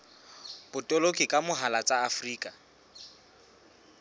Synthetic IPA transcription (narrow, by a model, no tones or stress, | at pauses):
b̥ʊtʼɔlokʼɪkʼamʊɦalat͡sʼaːfriːkʼa